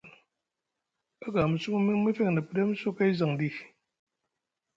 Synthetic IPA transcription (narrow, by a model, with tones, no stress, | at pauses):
a˦ɡa˨m̩˨su˦mɨ˦mɨ˦mɨ˦fe˦˨ŋ˨nɨ˨pɨ˦de˦m̩˦su˦ka˦i˦za˨ŋdi˦